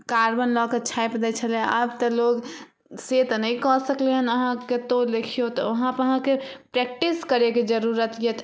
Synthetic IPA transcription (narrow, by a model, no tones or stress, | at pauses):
kaɾbənlɔket͡ʃʰajpd̪ɛt͡ʃʰəlabt̪əloɡ | set̪nəĩkɔsəkleɦənəɦãket̪olekʰijot̪ɔəɦãpəɦãkepɾɛk̚ʈiskəɾeked͡ʒəɾuɾət̪jet̪